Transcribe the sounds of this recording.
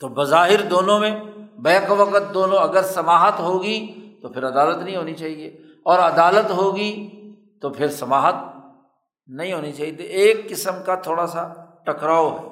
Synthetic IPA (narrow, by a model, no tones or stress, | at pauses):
t̪oːbɐzaːɦɪɾd̪oːnõmẽbɛːkʋɐqət̪̚d̪oːnõɐɡəɾsɐmaːɦət̪ɦoːɡit̪opʰɪɾɐd̪aːlət̪nɐɦĩɦoːnit͡ʃaːɦieː | ɔːɾɐd̪aːlət̪ɦoːɡi | t̪opʰɪɾsɐmaːɦət̪̚ | nɐɦĩɦoːnit͡ʃaːɦit̪eeːkːɪsəmkat̪ʰoːɽasaʈɐkɾaːoɦɛ̰ː